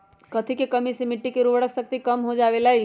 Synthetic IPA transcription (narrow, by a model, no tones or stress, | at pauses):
kɐt̪ʰikekəmisemɪʈːikeɾubəɽəkʰsəkt̪ikəmɦod͡ʒaːʋelaːɦi